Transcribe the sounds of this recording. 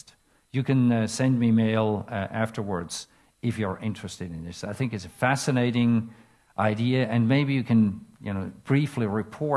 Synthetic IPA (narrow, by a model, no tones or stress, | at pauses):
t | jɨkɨ̃nsɛ̃nmimeɪlˠʔæftə˞wə˞dz̥ | ɪfjə˞ʔɪ̃nt͡ʃɹ̥ɨstɨɾɨ̃nðɪsaɪθɪ̃ŋkɨtsɨfæsɨneɪɾɪ̃ŋ | ʔaɪdiɨɨ̃nmeɪbijɨkʰɨ̃njɨ̰noʊb̥ɹifliɹɨpʰɔ